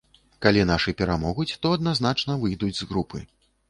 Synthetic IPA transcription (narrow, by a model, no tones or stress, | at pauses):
kalʲinaʂɨpʲɛɾamɔɣut͡sʲt̪ɔɐd̪nazn̪at͡ʂnɐvɨjd̪ud͡zʲzɣɾupɨ̰